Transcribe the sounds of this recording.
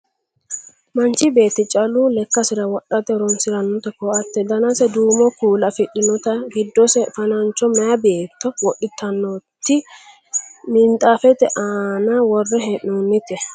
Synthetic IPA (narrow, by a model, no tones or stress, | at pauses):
mɐnt͡ʃːɪbe̞ːt̪ːɪt͡ʃʼɐlulɛkːɐsɪɾɐwɔɗːɐt̪ɛɾɔnsɪɾɐnːɔt̪ɛkɔʔɐt̪ːɛd̪ɐnɐsɛd̪uːmɔkuːlɐfɪɗːɪnɔt̪ɐɡɪd̪ːɔsɛfɐnɐnt͡ʃːɔmɛjɐbeːt̪ːɔwɔɗːɪt̪ʰːɐnːɔt̪ːɪ | mɪnt̪ʼaːfɛt̪ɛʔaːnɐwɔrːɛɦɛʔːunːɪt̪ɛ